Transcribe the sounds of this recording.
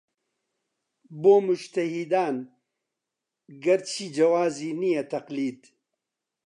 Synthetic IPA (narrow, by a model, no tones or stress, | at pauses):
boːmud͡ʒt̪ɐhid̪aːn | ɡɐɾt͡ʃʰiːd͡ʒɐwaːziːnijɐt̪ɐqliːd̪